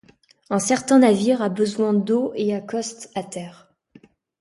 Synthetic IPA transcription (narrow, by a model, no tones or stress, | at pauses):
ɛ̃sɛʁt̪ɛ̃naviʁabəzwɛ̃d̪oʔeakɔst̪at̪ɛːʁ